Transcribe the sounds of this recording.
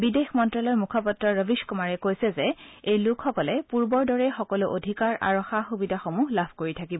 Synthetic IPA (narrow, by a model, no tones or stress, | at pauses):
bidexmɔntɹalɔɹmukʰɔpɔtɹɔɹəbiskumaɹɛkojsɛzɛejlʊkʰxɔkɔlɛpuɹbɔɹdɔɹɛxɔkɔluʔodʱikaɹʔa̰ɹɔxaxubidʱaxomuɦlabʱkoɹitʰakibɔ